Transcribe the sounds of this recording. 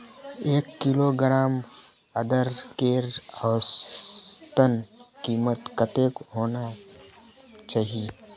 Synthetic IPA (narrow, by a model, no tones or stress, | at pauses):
eːkːɪloɡɾaːm | ɐd̪əɾkeːɾɔːs | t̪ənkiːmət̪kət̪eːkɦoːna | t͡ʃaːɦie